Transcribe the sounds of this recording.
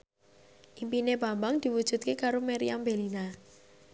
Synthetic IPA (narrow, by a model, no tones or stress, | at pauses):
ʔimpineba̤mbaŋd̪̥i̤wud̥ʒ̥ṳt̪̚kekaɾomɛɾiambelina